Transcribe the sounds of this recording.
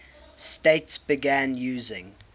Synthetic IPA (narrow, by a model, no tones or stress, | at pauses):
steɪtsb̥ɪɡæ̃njʉːzɪ̃ŋ